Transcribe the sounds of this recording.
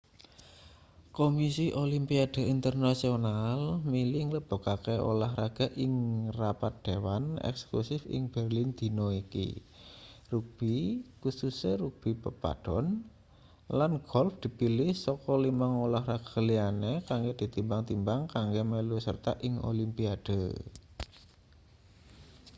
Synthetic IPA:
komisiʔolimpiad̥a̤int̪ərnasionalmilɪŋləb̥o̤kakeʔo̰laɦraɡ̥a̤ʔɪŋrapat̪̚d̪̥ewanɛ̰ksə̥klusɪfɪ̰ŋb̥ɛrlɪnd̪̥i̤nɔikḭ | ruk̚b̥ikususeɾuk̚b̥i̤pəpa̰d̥ɔn | lanɡ̥ɔlfd̪̥i̤pilɪhsɔkɔlimaŋolahraɡ̥ḁlianekaŋɡed̪̥i̤t̪imbaŋt̪imbaŋkaŋɡemelusə̰rt̪a̰ʔɪŋo̰limpiad̥ə

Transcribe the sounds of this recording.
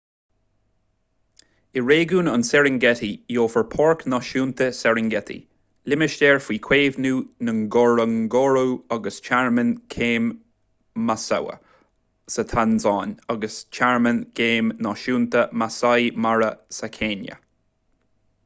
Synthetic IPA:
ɪɹeːɡuːnansɛɹɪŋɡɛtijoːfəɹpʰɔɹknɔːʃuːnt̪əsɛɹɪŋɡɛt̪ʰḭ | lɪmɪʃtɛːɹfwiːkʰweːvnuːnəŋɡɔɹəŋɡɔɹuɔɡəst͡ʃʰaɹmənkʰeːmː | asa̰wə̰ | sət̪ʰanzɑːnɔɡəst͡ʃʰaɹmənkʰeːmnɑːʃuːnt̪əmasajmaɹəsakʰeːnjə̰

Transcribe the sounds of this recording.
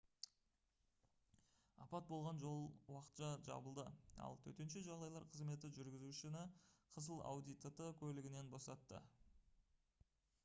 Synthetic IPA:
ɑ̰pɑt̪̚bo̞lˠʁɑnʒo̞lˠwɑqə̥t̪ʃɑʒɑ̰bəlˠd̪əɑ̰lˠt̪ʰɵ̰t̪e̞nʃeʒɑʁd̪ɑjlˠɑɾqʰəzme̞t̪ɪʒʏɾɡʲɪzuʃɪnɪqʰəzəlˠɑ̰wd̪ijt̪ət̪əkʲʰɵlɪɡʲɪne̞nbo̞sɑt̪ːə̰

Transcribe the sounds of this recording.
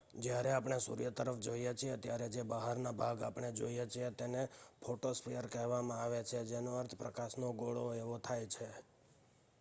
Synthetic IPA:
d͡ʒjaɾeapɳ̃esṵɾjət̪əɾəfd͡ʒoijet͡ʃʰijet̪jaɾed͡ʒebaɦaɾnabʱaɡapɳ̃ed͡ʒo̰ijet͡ʃʰiet̪enepʰoʈospɾijəɾkɛɦʋamãaʋet͡ʃʰed͡ʒenoəɾt̪ʰpɾəkaʃnoɡoɭoeʋot̪ʰajt͡ʃʰe

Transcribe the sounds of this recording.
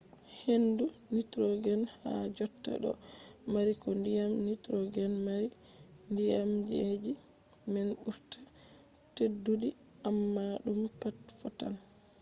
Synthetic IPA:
hendu | nitɾɔɡɛnha̰d͡ʒɔtːa̰ɗɔ̰ | maɾikɔndijamnitɾɔɡɛnmaɾi | ndijamd͡ʒed͡ʒi | mɛnʔuɾtʰḁ | tedːudi | amːaɗumpatfɔtan

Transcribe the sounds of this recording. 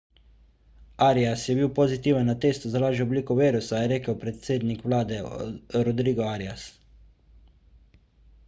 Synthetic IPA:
aːɾiasjɛbiwpozit̪iːʋənːat̪eːst̪uzalaːʒɛɔbliːkɔʋeːɾusajɛɾeːkəwpɾɛt̪seːd̪nikʋlaːd̪ɛɾɔd̪ɾiːɡɔaɾias

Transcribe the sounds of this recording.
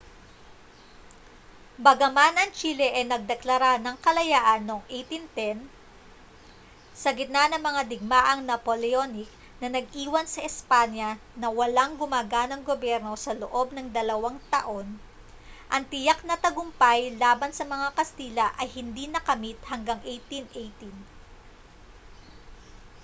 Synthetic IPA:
bɐɡɐmanɐŋt͡ʃilɛʔɐjnɐɡ̚d̪ɛklɐɾanɐŋkɐlɐjaːʔɐnːoŋʔejt̪int̪ɛn | sɐɡɪt̪̚nanɐŋmɐŋad̪ɪɡ̚maʔɐŋnɐpolɛonɪk̚ | nɐnɐɡ̚ʔiːwɐnsɐʔɛspaɲjɐ | nɐwɐlaŋɡʊmaːɡanɐŋɡobjɛɾno̞sɐloʔo̞b̚nɐŋd̪ɐlɐwaŋt̪ɐʔo̞n | ʔɐŋt̪ɪjak̚nɐt̪ɐɡʊmpajlaːbɐnsɐmɐŋakɐst̪iːlɐʔɐjhɪnd̪inɐkɐmit̪̚hɐŋɡaŋʔejt̪inʔejt̪in

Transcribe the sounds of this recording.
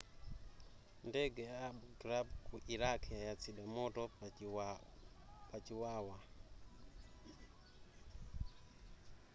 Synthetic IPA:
ndɛɡɛaːbɡɾabkuʔiɾakʰajat͡sʰiɗamɔtɔ | pat͡ʃiwaːwa

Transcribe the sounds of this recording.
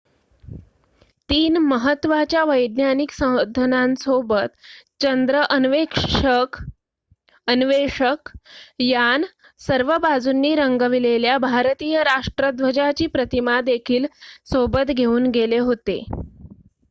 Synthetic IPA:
t̪iːnməɦət̪ːʋat͡ɕjaʋəjd̪njaniksə̃əd̪ʱːənansobət̪t͡ɕənd̪ɾəʔəʋekʂk | ənʋeʂəkjan | səɾʋəbad͡zunːiːɾəŋɡəʋileljabʱaɾt̪iːjəɾaʂʈɾəd̪ʋəd͡ʑat͡ɕiːpɾət̪imad̪ekʰiːlsobət̪ɡʱeuːnɡeleɦot̪ḛ

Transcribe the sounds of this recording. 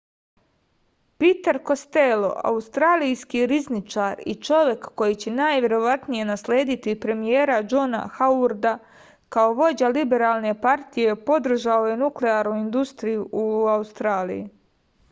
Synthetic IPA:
pit̪aɾko̞st̪elo̞̰ʔa̰ust̪ɾaːlijskiɾiznit͡ʃaːɾḭt͡ʃo̞ʋje̞kːo̞jit͡ɕe̞naːjʋʲje̞ɾo̞ʋat̪nije̞naslʲeːd̪it̪ipɾe̞mijeːɾad͡ʒo̞na̰xauɾd̪a | kao̞ʋo̞d͡ʑalibe̞ɾaːlˠne̞paɾt̪ije̞po̞d̪r̩ʒaoje̞nukleaːɾnuind̪ust̪ɾijuʔuaust̪ɾaːlḭji

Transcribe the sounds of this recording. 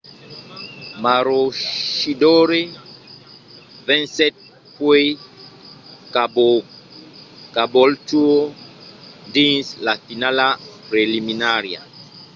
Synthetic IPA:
maɾoʃidoɾe | vɛ̃nsɛt̪̚ | pwe | kabo | kabolt͡ʃuo | ndĩnslafinalapɾeliminaɾja̰

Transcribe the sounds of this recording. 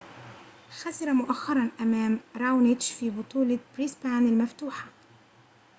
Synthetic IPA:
xasɪɾˤɑmʊʔaxːɑɾˤɑnʔamaːmɾˤawnɪd͡ʒfiːbʊt̪ˤuːlɑbɾiːspaːnɪlmaft̪uːħḁ

